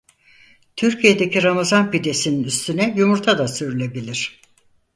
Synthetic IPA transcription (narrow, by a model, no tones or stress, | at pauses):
t̪ʰyɾcije̞d̪e̞cʰiɾamazanpid̪e̞sininyst̪ʰynɛjumuɾt̪ʰad̪asyɾylʲe̞bilʲiɾ̝̥